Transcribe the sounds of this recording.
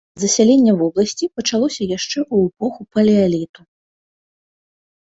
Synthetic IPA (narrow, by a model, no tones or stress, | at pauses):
zɐsʲalʲenʲːɛvɔblˠɐsʲt͡sʲipɐt͡ʂalˠɔsʲɐjaʂt͡ʂɛʔuɛpɔxupɐlʲɛalʲit̪u